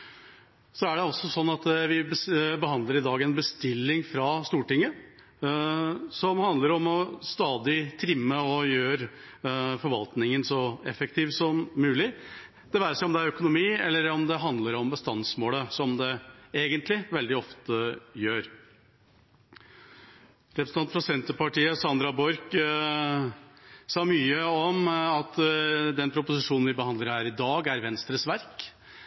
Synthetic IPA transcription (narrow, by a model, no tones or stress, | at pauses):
sɔæɖɛɔsːɔsɔnːɑt̪ʋɪbəbəɦɑnd̪ləɾɪd̪ɑːɡɛnbəst̪ɪlːɪŋfɾɑst̪uːʈɪŋːə | sɔmhɑnd̪ləɾɔmɔst̪ɑːd̪ɪt̪ʰɾɪmːəɔjøːɾ | fɔɾʋɑlt̪nɪŋənsɔɛfəkt̪ʰiːʋsɔmːʉːlɪ | d̪̥ɛʋæːɾəʂɛɪɔmd̪ɛæɾœkʊnʊmiːɛlːəɾɔmd̪ɛɦɑnd̪ləɾɔmbəst̪ɑnsmoːləsɔmd̪ɛeːɡənt̪lɪʋɛld̪ɪɔft̪əjøːɾ | ɾɛpɾəsnʰɑnfɾɑsɛnt̪əpɑʈiːəsɑnd̪ɾɑbɔɾk | sɑːmyːəɔmɑt̪d̪ɛnpʰɾʊpʊsɪʂuːnn̩ʋɪbəhɑnd̪ləɾhæːɾɪd̪ɑːɡæɾʋɛnst̪ɾəsʋæɾk